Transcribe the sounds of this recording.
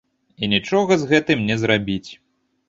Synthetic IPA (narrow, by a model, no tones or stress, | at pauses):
inʲit͡ʂɔɣɐzɣɛt̪ɨmnʲɛzɾabʲit͡sʲ